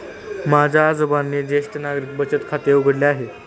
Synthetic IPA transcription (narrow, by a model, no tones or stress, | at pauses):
mad͡ʑʱaːd͡zobanːed̪eʂʈənaɡɾik̚bət͡ɕət̪kʰat̪euɡʱəɽleaɦe